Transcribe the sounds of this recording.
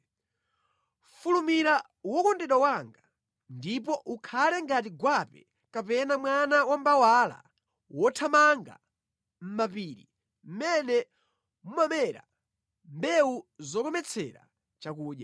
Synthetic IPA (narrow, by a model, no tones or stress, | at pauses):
fulumiɾa | wɔkɔndɛɗwawaŋɡa | ndip̬ɔʔukʰalɛŋɡat̬iɡwapɛ | kapɛnamwanawambawala̰ | wɔtʰamaŋɡa̰ | m̩mapiːɾi | m̩mɛnɛ | mumamɛɾa̰ | mbɛuzɔkɔmɛt͡sʰɛ̰ɾa̰ | t͡ʃakuːɗja